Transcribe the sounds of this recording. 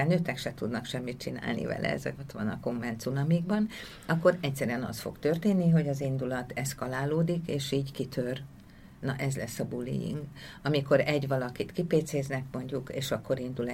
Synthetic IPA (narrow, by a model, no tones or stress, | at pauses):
anøːt̪ɛkʃɛt̪ud̪nɒkʃɛmːit̪̚t͡ʃina̰ːlnḭvɛ̰lʔɛ̰ɛ̰zɛkot̪ʋɒ̰nɒ̰ko̞mːɛnt̪sunɒmiɡbɒn | ɒkːo̞ɾɛcsɛɾyɛnɒ̰st̪fo̞̰kt̪ø̞rt̪eːnːiɦo̞ɟɒzind̪ulɒt̪ʰɛskɒlaːloːd̪ikeːʃiːɟkit̪ʰør | nɒʔɛzlɛsːɒbulːḭjḭŋɡɒmiko̞ɾɛɟʋɒlɒkit̪kipeːt̪seːznɛkmo̞ɲɟukeːʃɒkːo̞ɾind̪ul